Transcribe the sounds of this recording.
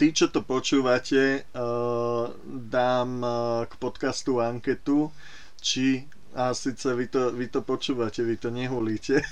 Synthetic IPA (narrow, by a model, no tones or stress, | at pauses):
t̪it͡ʃɔt̪ɔpɔt͡ʃuːʋacɛ | d̪aːmkpɔt̪kast̪uaŋkɛt̪u | t͡ʃi | asiːt͡sɛʋit̪ɔʋit̪ɔpɔt͡ʃuːʋacɛʋit̪ɔɲɛɦuliːcɛ